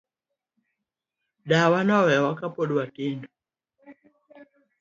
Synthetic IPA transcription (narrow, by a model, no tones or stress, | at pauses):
ɗawanɔwɛwakapɔɗwatindɔ